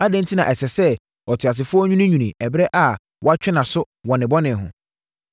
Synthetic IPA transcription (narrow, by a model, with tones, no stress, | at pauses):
a˦dɛ̃˦n̩˦tʰi˦nã˨ʔɛ˨sɛ˨sɛ˦ | ɔ˨tʰɥa˨s̬ɪ˨fʊ˦ɔ˦ɲᶣũ˦nĩ˦ɲũ˨nĩ˨ʔɛ˨bɾɛ˦ʔa˨ | wɔ˦a˦t͡ɕᶣɛ˦nã˨sʊ˦ | wɔ˨nɪ̃˨bɔ˦nɪ̃˨ɦʊ̰̃˨